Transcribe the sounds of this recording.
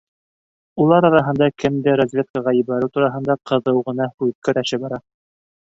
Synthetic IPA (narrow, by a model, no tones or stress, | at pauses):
ulˠɑɾɑɾɑɦɤ̆nd̪ɑkɘmd̪ɘɾozʲvʲet̪̚kəʁɑjiβɑɾɘwt̪uɾɑɦɤ̆nd̪ɑqɤ̆ðɤwʁɤ̆nɑhʉðkɵɾæʃɘbɑɾɑ